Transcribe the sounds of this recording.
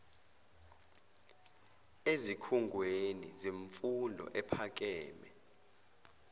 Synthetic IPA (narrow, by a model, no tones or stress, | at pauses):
ezikʰuŋɡʱwenḭziɱfundʱɔ̰ʔɛpʰak̬ʼɛːmɛ